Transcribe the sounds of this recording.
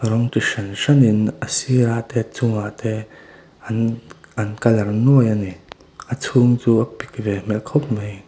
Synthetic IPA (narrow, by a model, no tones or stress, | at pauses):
rɔŋtiʂɐnʂɐninʔəsiɾaʔt̪ɛːt͡sʊŋaʔt̪ɛ | ɐnɐnkɐlɐrnuəjani | ʔət͡sʰuŋt͡suːɐpik̚vɛm̥ɛlkʰop̚mej